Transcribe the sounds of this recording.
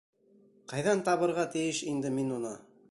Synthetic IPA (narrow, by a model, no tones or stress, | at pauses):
qɑjðɑnt̪ɑβɤ̆ɾʁɑt̪ɘ̆jɘʃind̪ɘminunɑ